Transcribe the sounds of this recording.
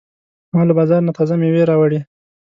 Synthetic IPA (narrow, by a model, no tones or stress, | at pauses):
mɑləbɑzɑɾnat̪ʰazameweɾɑwaɽi